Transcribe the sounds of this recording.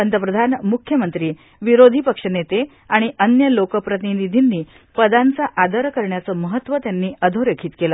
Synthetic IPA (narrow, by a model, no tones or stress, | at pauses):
pənt̪əpɾəd̪ʱanmukʰjəmənt̪ɾiː | ʋiɾod̪ʱipəkʂənet̪e | aɽ̃iʔənjəlokəpɾət̪ininid̪ʱinːiː | pəd̪ant͡saʔad̪əɾkəɾɳjat͡səːməɦət̪ːʋət̪janːiːʔəd̪ʱoɾekʰiːt̪kelə